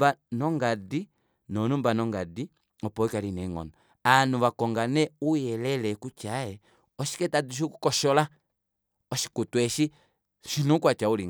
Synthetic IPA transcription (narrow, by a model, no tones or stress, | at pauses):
banɔŋɡadi | nɔnumbanɔŋɡadi | ɔpɔikalinɛŋɔ̰nɔ | anuβakɔŋɡanɛujɛlɛlɛkut͡ʃaɛ | ɔʃi̥kɛtaduʃ̬ikukɔʃɔla | ɔʃi̥kutwɛʃi | ʃinukwat͡ʃauliŋ